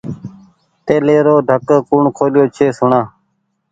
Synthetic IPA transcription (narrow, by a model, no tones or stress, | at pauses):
t̪eːleːɾoːɖʱəkːkuːɳkʰoːljoːt͡ʃʰeːsʊɳãː